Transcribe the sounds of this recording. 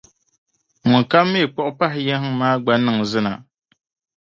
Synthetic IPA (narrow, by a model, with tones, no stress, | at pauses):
ŋʊ˨ka˦mːe˦e˨k͡pɔ˦ʔʊ˦pa˦ɦɪ˨jɛ˦hmaː˦ɡ͡ba˦nɨ˦ŋzɨ˦na̰˨